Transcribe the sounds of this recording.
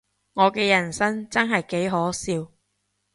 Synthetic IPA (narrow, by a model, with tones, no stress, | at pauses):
ŋɔː˨˧kɛː˧jɐ˨˩nsɐ˥ŋt͡sɐ˥nɦɐ˨jke˨˥jɦɔː˨˥siː˧w